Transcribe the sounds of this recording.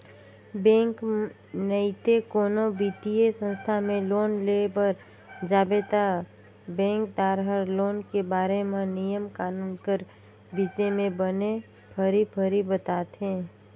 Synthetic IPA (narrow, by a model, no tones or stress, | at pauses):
bɛ̃ːŋk | nəɪt̪ekoːnobiːt̪iesə̃nst̪ʰamẽloːnlebəɾ | d͡ʒaːbet̪a | bɛ̃ːŋk̚d̪aːɾɦəɾloːnkebaːɾemẽnijəmkaːnuːnkəɾ | bisemẽbəne | pʰəɾipʰəɾibət̪aːt̪ɦɛ̃ː